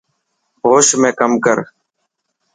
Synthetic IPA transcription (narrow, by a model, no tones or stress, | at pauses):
ɦoːʃmẽːkəmkəɾ